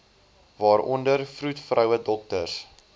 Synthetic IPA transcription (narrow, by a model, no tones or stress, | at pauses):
vɑːɾʔɔ̰ndərfrutfrœwədɔk̚tərs